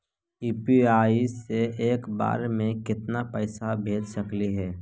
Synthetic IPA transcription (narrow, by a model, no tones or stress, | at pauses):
iːpiaːiseeːkba̰ːɾmẽkɪt̪napəɪsabʱeːd͡ʒsɐkliɦɛː